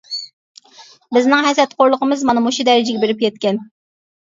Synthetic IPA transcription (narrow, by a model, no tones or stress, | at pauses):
bɪznɪŋɦɛsɛt̪̚qʰoɾlˠəqʰəmɨzmɑnɨmoʃud̪ɛɾɪd͡ʒɪɡʲɛbeɾɪp̚jʲɛt̪̚kʲɛn